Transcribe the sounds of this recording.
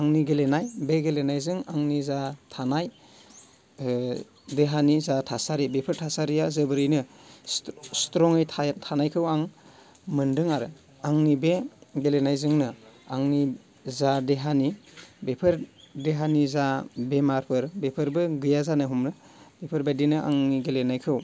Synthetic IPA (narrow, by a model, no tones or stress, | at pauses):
aŋniɡelenajbeɡelenajzɯŋaŋnizatʰanaj | deɦanizatʰasaɾibepʰɯɾtʰasaɾijazɯbɯɾijnɯ | stɾɔŋɯjtʰatʰanajkʰɯwaŋ | mɯndɯŋaɾɯ | aŋnibeɡelenajzɯŋnɯaŋni | zadeɦanibepʰɯɾdeɦanizabemaɾpʰɯɾbepʰɯɾbɯɡɯjazanɯɦumɾɯ | b̥epʰɯɾbadinɯʔa̰ŋniɡelenajkʰɯw